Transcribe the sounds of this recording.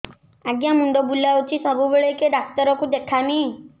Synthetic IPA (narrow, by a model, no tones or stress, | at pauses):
aɡjamuɳɖɔbulaut͡ʃʰisəbubeɭejkeɖak̚t̪əɾɔkud̪ekʰami